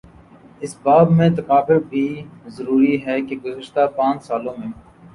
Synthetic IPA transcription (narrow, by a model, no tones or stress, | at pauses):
ɪsbaːbmẽt̪ɐkaːbɪɾbʱiːzɐɾuːɾiɦɛkeɡʊzəʃt̪apãːt͡ʃsaːlõmẽ